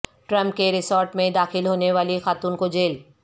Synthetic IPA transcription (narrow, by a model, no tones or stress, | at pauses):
ʈɾə̃mp̚keɾɪsɔːɾʈmẽd̪aːxɪlɦoːneʋaːlixaːt̪uːnkod͡ʒeːl